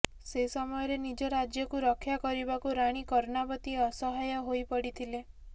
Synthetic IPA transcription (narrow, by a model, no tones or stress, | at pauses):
sesɔmɔjɔɾenid͡ʒɔɾad͡ʒjɔkuɾɔkʰjakɔɾibakuɾaɽ̃ikɔɾnabɔt̪iɔsɔɦajɔɦojpɔɽit̪ʰile